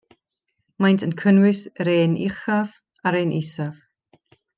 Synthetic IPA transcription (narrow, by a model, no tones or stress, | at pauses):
majntʰənkʰənwɪsɾeːnɪχav | aɾeːnʔɪsav